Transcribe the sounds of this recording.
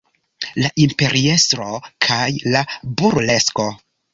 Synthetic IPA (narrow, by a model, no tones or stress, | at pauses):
laʔimpe̞ɾʔie̞st̪ɾo̞kʰajlabuɾle̞sko̞